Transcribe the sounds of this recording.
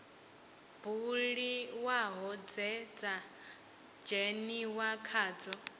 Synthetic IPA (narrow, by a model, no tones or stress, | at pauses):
b̥uɺiwaɦɔd͡zɛd͡zʼa | d͡ʒɛniwakʰaːd͡zɔ